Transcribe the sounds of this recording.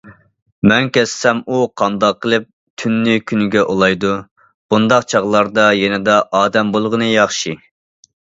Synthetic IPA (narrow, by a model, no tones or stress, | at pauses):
mɛnkʲɛsːɛmuqʰɑnd̪ɑqːəlˠɨp̚ | t̪ʰynːykʲʰynɪɡʲɛʔolˠɑjd̪u | b̥und̪ɑqt͡ʃʰɑʁlˠɑɾd̪ɑjɛnɪd̪ɑʔɑːd̪ɛmbolˠʁənɨjɑχʃi